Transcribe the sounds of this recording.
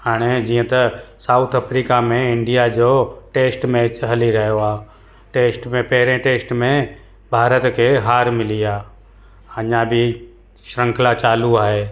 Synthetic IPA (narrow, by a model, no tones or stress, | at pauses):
ɦaːɽ̃ed͡ʑiːə̃t̪ɐsaːʊt̪ʰəpɾiːkamẽɪ̃ɳɖijad͡ʑoːʈeːsʈmẽɦɐliɾɐɦijoaː | ʈeːsʈmẽpɐɦɪɾẽʈeːsʈmẽ | bʱaːɾət̪kʰeɦaːɾmɪliaː | ɐɲãbʱɪ | ʃɾə̃ŋkʰlat͡ʃaːluaːɦeː